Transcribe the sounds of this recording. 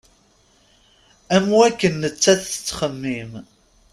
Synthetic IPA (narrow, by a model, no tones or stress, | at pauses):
æmwækːənːət͡sːæθə̥t͡sːχəmːim